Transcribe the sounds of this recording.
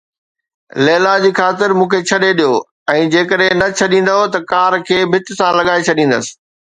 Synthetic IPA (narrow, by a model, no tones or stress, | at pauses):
leːlad͡ʑiːxaːt̪ɪɾmũːkʰet͡ɕʰɐɗeɗijoː | ɛ̃ːd͡ʑeːkəɗɦẽnɐt͡ɕʰɐɗĩːn̆d̪aɦot̪ɐkaːɾkʰeːbʱɪt̪ɪsãlɐɠaːet͡ɕʰɐɗĩːn̆d̪əsɪ̥̆